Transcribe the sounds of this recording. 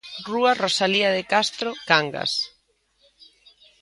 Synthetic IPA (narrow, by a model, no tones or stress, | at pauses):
ruarosaliaðɪkast̪ɾokaŋɡa̰s